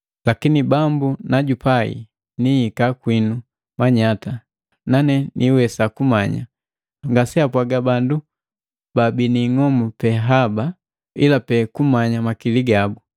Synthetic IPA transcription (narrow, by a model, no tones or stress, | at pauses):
lakinibambunaɟupaḭ | niːkakwinu | maɲata | nanɛnʔiwɛsakumaɲa̰ | ŋɡasɛapwaɡabandu | babiniŋɔmupɛɦaba | ḭlapɛkumaɲamakiliɡabu